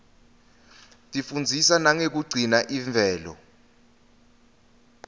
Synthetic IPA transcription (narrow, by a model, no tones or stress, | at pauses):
tʼifund͡zʱisanaŋek̬uɡ͡ǀʱinaʔiɱvʱɛːlɔ̰